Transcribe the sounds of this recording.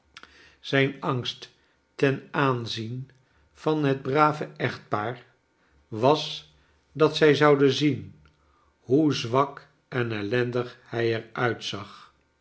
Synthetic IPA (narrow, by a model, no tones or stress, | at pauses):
z̥ɛjnɑŋstː | ɛnaːnzin | v̥ɑnɦəd̚braːvəʔɛχt̚paːɹ | ʋɑs | dɑtsɛjzɑwdənzin | ɦuzʋɑk | ɛnɛlɛndəχhɛjɛɹœɥtsɑχ